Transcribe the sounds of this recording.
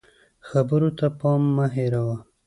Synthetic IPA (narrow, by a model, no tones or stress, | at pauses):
xabəɾot̪apɑmːaɦeɾawa